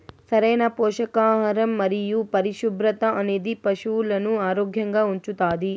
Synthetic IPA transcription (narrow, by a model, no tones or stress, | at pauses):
sɐɾeːnɐpɔːʃɐkaːɦɐɾɐmːɐɾijupɐɾiʃubɾɐt̪ɐʔɐneːd̪ipɐʃuːlɐnuaːɾoːɡʱjɐŋɡɐuɲt͡ʃut̪aːd̪i